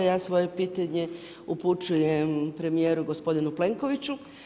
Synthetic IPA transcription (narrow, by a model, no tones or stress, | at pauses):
jaːsʋo̞je̞piːt̪aɲe̞ | uput͡ʃuje̞mpɾe̞mije̞ːɾuɡo̞spo̞d̪inuple̞ŋko̞ʋit͡ɕu